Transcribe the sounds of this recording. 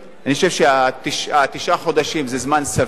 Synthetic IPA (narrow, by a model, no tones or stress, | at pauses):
aniχoʃevʃeat̪iʃat̪iʃʔaχo̞d̪aʃimzezmansa